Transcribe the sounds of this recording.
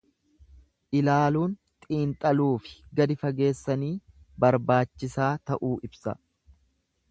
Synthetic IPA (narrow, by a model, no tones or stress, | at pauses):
ʔɪlaːluːnt̪ʼiːnt̪ʼɐluːfɪ̥ɡɐd̪ɪfɐɡe̞ːsːɐniː | bɐɾbaːt͡ʃːɪsaːt̪ɐʔuːʔɪbsɐ̰